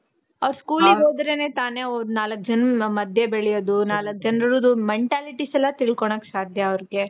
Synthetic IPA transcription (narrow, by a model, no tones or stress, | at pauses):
ɐʋɾskuːlioːd̪ɐɾe̞ːne̞ːt̪aːne̞onaːlɐk̚ːd͡ʒɐnːɐmɐd̪ʱjebeɭijoːd̪unaːlɐk̚ːd͡ʒɐnɐɾɐɾud̪umeɳʈaːliʈisɛlːɐt̪iɭkoɳɐksaːd̪ʱjɐːʋɾɡe̞